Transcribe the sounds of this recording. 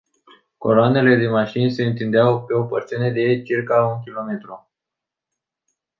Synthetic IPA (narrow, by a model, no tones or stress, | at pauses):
ko̞̰ɾoane̞le̞d̪emaʃinse̞ɨnt̪ind̪eawpe̞o̞pərt̪siune̞d̪e̞t͡ʃirkaunkʲilo̞me̞t̪ɾu